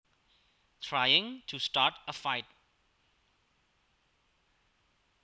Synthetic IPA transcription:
tʰɹajɪ̃ŋtʰustatəfaɪt̚

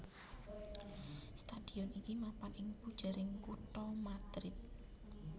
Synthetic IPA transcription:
st̪ad̪̥i̤ɔnikimapanʔɪŋpud̥ʒ̥a̤ɾɪŋkut̪ɔmad̪̥ɾɪt̪̚

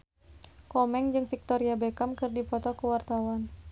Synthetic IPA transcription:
kɔmɛŋd͡ʒɨŋfik̚t̪ɔɾiabɛkamkɨrdipɔt̪ɔkəwart̪awan

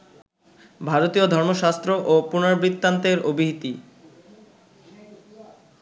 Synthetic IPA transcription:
bʱaɾot̪iod̪ʱɔɾmoʃast̪ɾoʔopunaɾbɾit̪ːant̪eɾobʱiɦit̪i

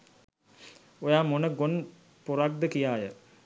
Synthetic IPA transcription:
ojaːmonəɡon | poɾak̚d̪əkijaːjə

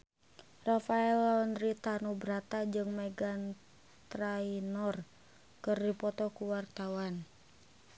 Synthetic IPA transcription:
rafaɛlaɔnrit̪anubɾat̪ad͡ʒɨŋmɛɡan | t̪ɾainɔr | kɨrdipɔt̪ɔkuwart̪awan

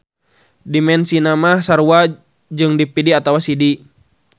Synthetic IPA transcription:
dimɛnsinamahsaɾua | d͡ʒɨŋdipidiat̪awasidi

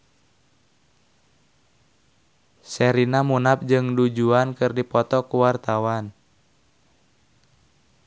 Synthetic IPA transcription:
sɛɾinamunap̚d͡ʒɨŋdud͡ʒuankɨrdipɔt̪ɔkuwart̪awan

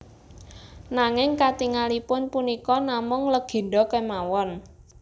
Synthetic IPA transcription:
naŋɪŋkat̪iŋalipʊnpunikɔnamʊŋləɡ̥e̤ɖɔkɛmawɔn

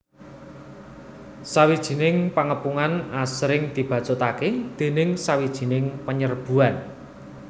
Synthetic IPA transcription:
sawid̥ʒ̥i̤nɪŋpaŋəpuŋanasɾɪŋd̪̥i̤b̥ä̤d̥t͡ʃot̪aked̪̥e̤nɪŋsawid̥ʒ̥i̤nɪŋpəɲərb̥ṳan

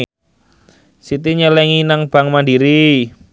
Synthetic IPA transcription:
sit̪iɲəlɛŋinaŋb̥aŋmandiɾi

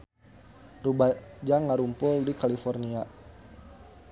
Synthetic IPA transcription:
rubad͡ʒaŋːaɾumpʊldikalifɔrnia

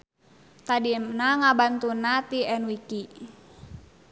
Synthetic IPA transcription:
t̪adinaŋabant̪unat̪iɛnwiki

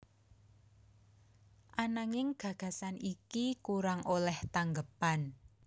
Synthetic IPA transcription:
ʔanaŋɪŋɡ̥ä̤ɡ̥ä̤sanikikuɾaŋʔolɛht̪aŋɡəpan

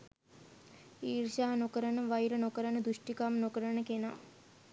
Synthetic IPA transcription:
iːrʃaɦanokəɾənəʋajɾənokəɾənəd̪uʂʈikamnokəɾənəkena̰

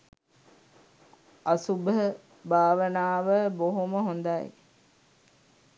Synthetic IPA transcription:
asubəɦə | bʱaːʋənaːʋəboɦoməɦond̪aj

